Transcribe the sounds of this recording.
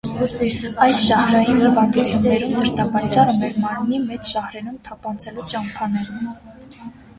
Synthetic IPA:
ɑjsʃɑhɾɑjinhivɑnd̪ut͡sʰjunːɛɾumd̪əɾt̪ɑpɑt͡ʃɑrəmɛɾmɑɾmnimɛt͡ʃʰʃɑhɾɛɾumt̪ʰɑpɑnt͡sʰɛlut͡ʃɑmpʰɑnɛɾ

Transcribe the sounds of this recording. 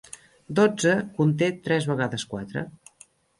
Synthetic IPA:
d̪od͡zəkunt̪̬et̪ɾɛzβəɣaðəskwat̪ɾə̰

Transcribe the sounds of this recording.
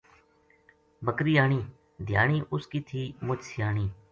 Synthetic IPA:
bəkɾiːaːɳiː | d̪ʱja̰ːɳ̃iːʔʊskiːt̪ʰiːmʊt͡ʃsɪjaːɳiː

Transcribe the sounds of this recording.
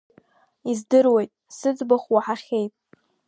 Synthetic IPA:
izdɨrwe̞jtʼsɨd͡zbaχʷwaħaχʲejpʼ

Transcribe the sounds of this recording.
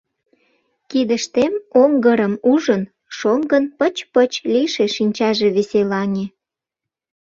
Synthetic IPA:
kid̪əʃt̪emoŋɡəɾəmuʒən | ʃoŋɡənpət͡ɕpət͡ɕliʃeʃinʲt͡ɕɑʒe̽βeselɑnʲe

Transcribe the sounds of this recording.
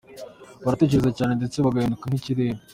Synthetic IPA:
βaɾatweceɾezacaːnende̞t͡seβaɡajendukan̥hiciɾe̞ːɾa

